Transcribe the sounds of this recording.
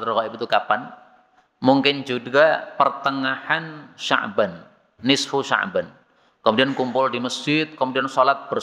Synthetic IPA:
t̪rɣaɪbit̪ukapan | muŋkɪnd͡ʒuɡapərt̪əŋahanʃa̰ʔbanː | ɪsfuʃa̰ʔban | kəmudiankumpʊldiməsd͡ʒɪt̪̚kəmudiansolat̪̚b̥ər

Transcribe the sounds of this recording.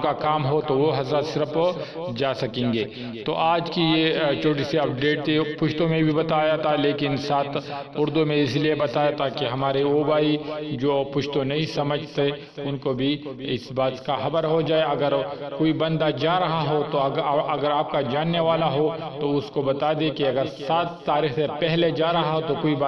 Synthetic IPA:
kakaːmɦot̪oʋoɦɐzaːɾsɪɾəp | d͡ʒaːsɐkẽːŋɡeː | t̪o̰ʔaːd͡ʒkijet͡ʃʰoːʈ̬isiɐp̚ɖeːʈepʊʃt̪õmẽbʱibɐt̪aːjat̪ʰaleːkɪnsaːt̪ʰ | ʊɾd̪umẽɪsliebɐt̪aːjat̪ʰakeɦɐmaːɾeoːbaːid͡ʒoːpʊʃt̪õnɐɦĩsɐməd͡ʒʱt̪e | ʊnkobʱiɪsbaːt̪kaxɐbəɾɦod͡ʒaːeɐɡəɾkoːibɐ̃nd̪ad͡ʒaːɾɐɦaɦot̪oɐɡəɾaːp̚kad͡ʒaːnːeʋaːlaɦot̪oʊskobɐt̪aːd̪ẽkiɐɡəɾsaːt̪ːaːɾiːxsepɛɦled͡ʒaːɾɐɦaɦot̪okoːib

